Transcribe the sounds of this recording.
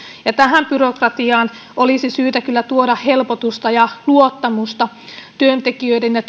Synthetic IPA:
jɑt̪æɦæmpyrokrɑt̪iɑːn | ʔolisisyːt̪ækylːæt̪uoɾɑhhelpot̪ust̪ɑjɑluot̪ːɑmust̪ɑ | t̪yønt̪ekiøidenjɑ

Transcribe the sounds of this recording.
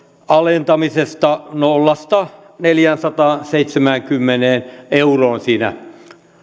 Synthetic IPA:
ɑlent̪ɑmisest̪ɑnolːɑst̪ɑ | neljænsɑt̪ɑːnseit̪semæŋkymːeneːneuroːnsiːnæ̰

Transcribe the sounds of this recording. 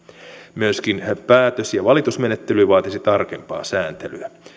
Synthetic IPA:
myøskinpæːt̪øsjɑʋɑlit̪usme̞net̪ːelyʋɑːt̪esit̪ɑrkempɑ̰ːsæːnt̪elyæ

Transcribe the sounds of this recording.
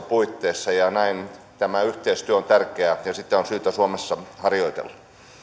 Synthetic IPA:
puit̪ːeːsːɑjɑnæin | t̪æmæyht̪eist̪yøont̪ærkeæjɑsit̪ːeonsyːt̪æsuomesːɑhɑrjoit̪ḛlːɑ̥

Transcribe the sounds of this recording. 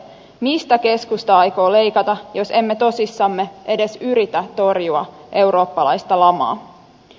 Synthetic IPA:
mist̪æke̞skust̪ɑɑjko̞ːle̞jkɑt̪ɑjo̞se̞mːet̪o̞sisːɑmːe̞ʔe̞de̞syɾit̪æt̪o̞rjuɑʔe̞wɾo̞ːpːɑlɑjst̪ɑlɑmɑ̰ː

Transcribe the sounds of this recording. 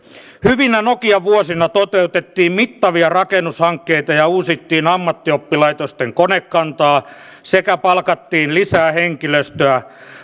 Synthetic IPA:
hyʋinænokiɑʋuosinɑt̪ot̪eut̪et̪ːiːmmit̪ːɑʋiɑrɑkenushɑŋkːeit̪ɑjɑuːsit̪ːiːnɑmːɑt̪ːiopːilɑit̪ost̪eŋkonekːɑnt̪ɑː | sekæpɑlkɑt̪ːiːnlisæːheŋkiløst̪øæ

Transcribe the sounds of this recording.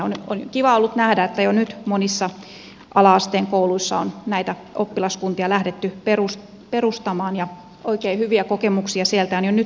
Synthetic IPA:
ono̰nkiʋɑolːut̪næhdæet̪ːæjonyt̪monisːɑ | ʔɑlɑɑst̪eːŋkouluisːɑ̰onnæit̪æ | ʔopːilɑskunt̪iɑlæhdet̪ːyperus | perust̪ɑmɑːnjɑ | oikeihyʋiækokemuksiɑsielt̪æonjonyt

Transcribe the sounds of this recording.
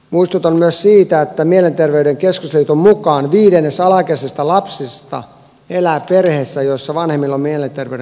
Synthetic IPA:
muist̪ut̪ɑnmyøssiːt̪æet̪ːæmielent̪erʋeydeŋkeskusliːt̪ommukɑːnʋiːdenːesɑlɑkesest̪ɑlɑpsist̪ɑ̰ | elæːperheːsːæjoisːɑʋɑnhemːilːommielent̪erʋḛyɾ

